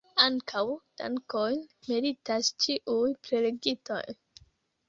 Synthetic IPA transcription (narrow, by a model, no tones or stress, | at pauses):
aŋkʰawd̥a̰ŋkojmiɾitast͡ʃiʔujpɾe̞le̞ɡito̞̰j